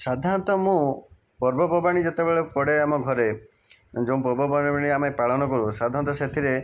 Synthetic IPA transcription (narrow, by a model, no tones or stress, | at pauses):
sad̪ʱant̪ɔmũ | pɔɾbɔbɔbaɽ̃id͡ʒet̪ebeɭɔpɔɽeamɔɡʱɔɾe | d͡ʒõpɔɾbɔbaaɽ̃iamepaɭɔnɔkɔɾusad̪ʱːant̪ɔset̪ʰiɾe